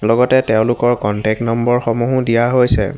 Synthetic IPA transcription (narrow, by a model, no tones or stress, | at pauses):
lɔɡɔtɛtɛʊ̃lʊkɔɹkɔntɛk̚nɔmbɔɹxɔmuɦudijaɦojsɛ̰